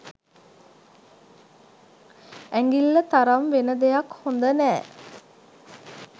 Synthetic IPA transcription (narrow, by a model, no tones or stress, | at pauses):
æŋɡilːət̪aɾamʋenəd̪ejakhond̪ənɛː